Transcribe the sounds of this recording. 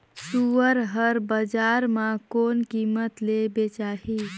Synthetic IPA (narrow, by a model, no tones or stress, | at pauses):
suəɾɦəɾbəd͡ʒaːɾmãkoːnkiːmət̪lebet͡ʃaːɦi